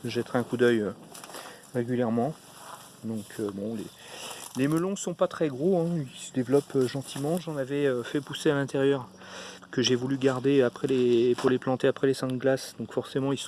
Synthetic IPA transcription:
ʒɛt̪ʁɛɛ̃kud̪œjø | ʁeɡʲyljɛʁmɑ̃ | d̪ɔ̃kʰøbɔ̃lḛ | leməlɔ̃sɔ̃pat̪χɛɡʁoɛ̃ilsəd̪evlɔpøʒɑ̃t̪ʰimɑ̃ʒɑ̃navɛøfɛpusealɛ̃t̪eʁjœʁ | kəʒevulyɡaʁd̪eapχɛleːpuʁleplɑ̃t̪eapχɛlesɛ̃d̪əɡlasd̪ɔ̃kfɔʁsemɑ̃ils

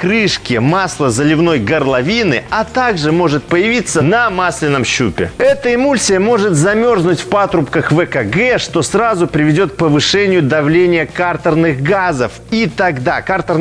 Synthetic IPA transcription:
kɾɨʂkʲɪmaslˠəzəlʲɪvno̞jɡərlˠɐvʲinɨat̪aɡʐɨmo̞ʐɨt̪̚pəjɪvʲit̪sːənɐmasʲlʲɪnːəmɕːupʲɪ̰ɛt̪əɪmulʲsʲɨjəmo̞ʐɨt̪zɐmʲo̞rznʊtʲfpat̪ɾʊpkəxvɛkɐɡɛʂt̪o̞srazʊpɾʲɪvʲɪdʲo̞t̪̚k̚pəvɨʂɛnʲɪjʊd̪ɐvlʲenʲɪjəkart̪əɾnɨxɡazəf | it̪ɐɡd̪akart̪ər

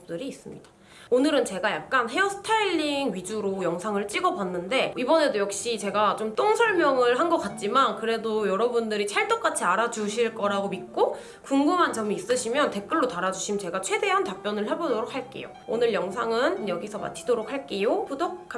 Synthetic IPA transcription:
t͈ɯɾiːs͈ɯmɲid̥ḁ | onɯɾɯnt͡ɕe̞ɡajak̚k͈anɦe̞ʌsʰɯ̥tʰaiʎːiŋɥid͡ʑuɾojʌŋsʰaŋɯɭt͡ɕ͈iɡʌbanːɯnde̞ibʌne̞dojʌk̚ɕ͈it͡ɕe̞ɡat͡ɕ͈omt͈oŋsʰʌɭmjʌŋɯɭɦanɡʌk͈at̚t͡ɕ͈imankɯɾe̞dojʌɾʌbundɯɾit͡ɕʰaɭt͈ok͈at͡ɕʰiaɾad͡ʑuɕʰiɭk͈ʌɾaɡomit̚k͈o | kuŋɡɯmɦant͡ɕʌmiːs͈ɯɕʰimjʌnte̞k͈ɯɭːotaɾad͡ʑuɕʰimt͡ɕe̞ɡat͡ɕʰwe̞de̞ɦantap͈jʌnɯɭɦebodoɾok̚haɭk͈e̞̰jo̰onɯɭjʌŋsʰaŋɯnjʌɡisʰʌma̰t͡ɕʰidoɾok̚haɭk͈e̞jopudokkʰ

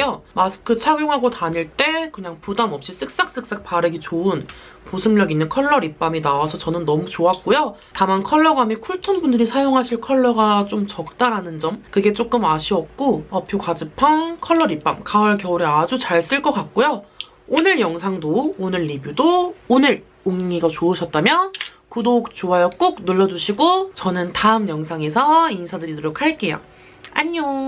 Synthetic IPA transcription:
omasʰɯ̥kʰɯt͡ɕʰaɡjoŋɦaɡotaɲiɭt͈e̞kɯɲaŋpudamʌp̚ɕ͈is͈ɯk̚s͈ak̚s͈ɯk̚s͈ak̚paɾɯɡit͡ɕoɯn | posʰɯmɲjʌɡinːɯnkʰʌɭːʌɾip͈aminawasʰʌt͡ɕʌnɯnːʌmut͡ɕoak̚k͈ojotamankʰʌɭːʌɡamikʰuɭtʰonbundɯɾisʰajoŋɦaɕʰiɭkʰʌɭːʌɡat͡ɕ͈omt͡ɕʌk̚t͈aɾɦanɯnd͡ʑʌmkɯɡe̞t͡ɕ͈ok͈ɯmaɕʰiʌk̚k͈oʌpʰjokad͡ʑɯpʰankʰʌɭːʌɾip͈amkaʌɭkjʌuɾead͡ʑut͡ɕaɭs͈ɯɭk͈ʌk͈ak̚k͈ojo | onɯɭjʌŋsʰaŋdoːnɯɭːibjudoːnɯɾ | oŋiŋiɡat͡ɕoɯɕʰʌt̚t͈amjʌ | kudok̚t͡ɕoajʌk͈uk̚nɯɭːʌd͡ʑuɕʰiɡot͡ɕʌnɯntaɯmjʌŋsʰaŋe̞sʰʌinsʰadɯɾidɯɾok̚haɭk͈e̞ja̰ | aɲo

